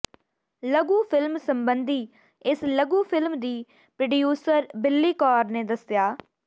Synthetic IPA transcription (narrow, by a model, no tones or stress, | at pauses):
ləɡũːpʰɪlmsəmbənd̪iː | ɪsləɡũːpʰɪlmd̪iː | pɾəɖijuːsəɾbɪlːiːkɔːɾneːd̪əsjaː